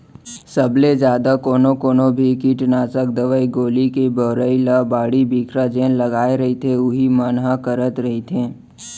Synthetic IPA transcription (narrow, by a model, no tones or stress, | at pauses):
səbled͡ʒjaːd̪akoːnokoːnobʱikiʈnaːt͡ʃək̚d̪əʋəiɡoːlikebəːɾəilabaːɽibiːkɾad͡ʒẽːlɐɡaːeɾɐɦit̪ʰeʊɦimənɦakəɾət̪ɾɐɦit̪ʰẽː